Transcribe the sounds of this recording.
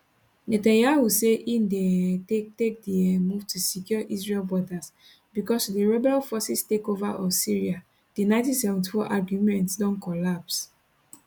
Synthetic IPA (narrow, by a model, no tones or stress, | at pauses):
netãnjahuseʔĩndetek̚diɛmuvtʰusikjɔʔisɹelbɔdas | bikɔsdiɹɛbɛlfɔsistekovaʔɔsiɹia | dinatidsɛvɔ̃ntfɔʔaɡjumɛ̃ntsdɔ̃nkɔlaps